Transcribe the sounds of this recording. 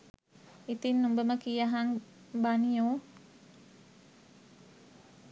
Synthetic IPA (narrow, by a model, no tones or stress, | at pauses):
it̪inumbəməkijaɦaŋ | banio